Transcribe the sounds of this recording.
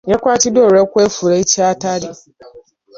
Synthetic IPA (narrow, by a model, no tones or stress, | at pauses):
jɛkʷatidoɾɛkʷefuɾeit͡ʃiatadi